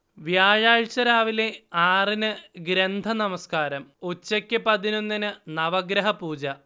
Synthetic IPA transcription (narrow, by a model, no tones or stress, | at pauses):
ʋjaːɻaːɻt͡ɕɐɾaːʋile̞aːrinɨɡɾend̪ʱɐnɐmɐskaːɾɐmot͡ɕːɐkʲːɨpɐðino̞nːinɨnɐʋɐɡɾɐɦɐpuːd͡ʑɐ